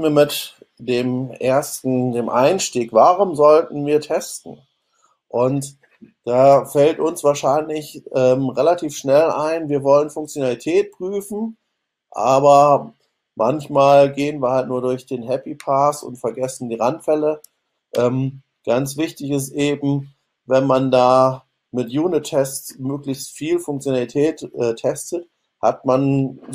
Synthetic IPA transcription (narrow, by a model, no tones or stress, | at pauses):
viːɐmɪt | d̥eːmʔeːɐstn̩deːmʔa̰ɪnʃtiːkv̥aːʁʊmzɔltn̩viːɐtʰɛstn̩ | ʔʊnt | d̥aːfɛltʊnsv̥aːɐʃaɪnlɪçʔɛːmʁelatʰiːfʃnɛla̰ɪnviːɐvɔlənfʊŋk̚t͡sjonalitʰɛːt̚pʁ̥yːfn̩ | ʔa̰ːbɐ | mʔançmaːlɡeːənviːɐhalt̚nuːɐdʊɐçd̥eːnɦɛpipʰaːsʊ̰ntfɛɐɡɛsn̩diːʁantfɛlə | ʔɛːm | ɡ̥ant͡sv̥ɪçtɪçɪs̬tʔeːbm̩ | vɛnmandaː | mɪtjuːnɪtʰːɛstmøːklɪçstfiːlfʊŋkt͡sjonalitʰɛːtʔɛːtʰɛstət | ha̰tman